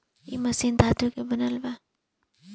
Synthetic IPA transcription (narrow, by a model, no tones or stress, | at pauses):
ḭmɐsind̪ʱaːt̪ukebənəlba